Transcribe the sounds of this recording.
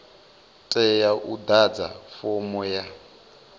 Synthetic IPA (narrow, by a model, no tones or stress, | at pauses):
tʼɛjaʔudad͡za̰fɔmɔja